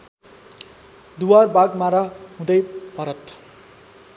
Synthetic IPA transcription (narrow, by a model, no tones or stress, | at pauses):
d̪uwarbaɡmaɾaɦũd̪ʌjpʌɾʌt̪